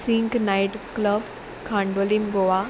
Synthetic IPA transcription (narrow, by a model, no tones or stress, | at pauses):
siŋknajʈkləb | kʰãɳɖolimɡoʋa